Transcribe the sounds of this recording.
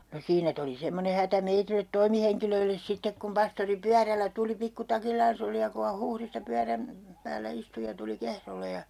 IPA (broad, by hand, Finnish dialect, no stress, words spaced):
no siːnæ tuli semːone hætæ meitilet toimiheŋkiløilːes sitːek kum pɑstori pyærælːæ tuli pikːutɑkilːɑːns oli jɑ ku hɑ huhristɑ pyæræm pæːlːæ istu jɑ tuli kehrole jɑ